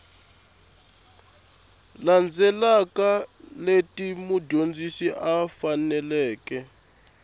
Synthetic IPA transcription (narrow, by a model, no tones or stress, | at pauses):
land͡zʱɛlakaletʼimuɟʱond͡zʱisiʔafanɛlɛːkɛ